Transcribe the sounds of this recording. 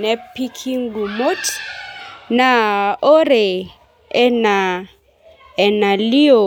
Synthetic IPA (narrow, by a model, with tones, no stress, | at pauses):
nɛ˦pːi˦kʰi˦ŋ˦ɡu˨mo˦t | na˨o˦ɾe˨ | ɛ˦na˨ | ɛ˨na˨li˦o˨